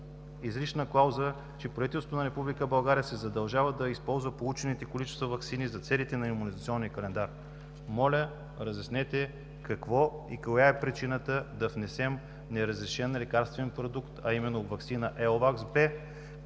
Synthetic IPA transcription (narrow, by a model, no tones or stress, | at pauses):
izliʃnəklˠawzə | t͡ʃɛpɾovit̪ɛlsot̪onɐɾɛpublikəbɐlˠɡaɾijəsɛzɐd̪ɐlˠʒavəd̪ɐispɔlˠzvəpolˠut͡ʃɛnit̪ɛkolit͡ʃɛ̥st̪vovɐksinizɐt̪sɛlit̪ɛnɐimunizɐt̪siɔnːiəkɐlɛnd̪aɾ | mɔlʲə | ɾɐzʲjɐsnɛt̪ɛ | kɐkvɔikojaɛpɾit͡ʃinət̪əd̪ɐvnɛsɛm | nɛɾəzɾɛʃɛnlɛkaɾst̪vɛnpɾod̪ukt̪ɐimɛnːovɐksinəʔɛlˠvaksbɛ